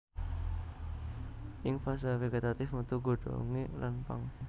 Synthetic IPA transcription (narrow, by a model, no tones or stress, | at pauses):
ʔɪŋfas̬afeɡet̪at̪ɪfmət̪uɡoɖ̥o̰ŋelanpa̰ŋ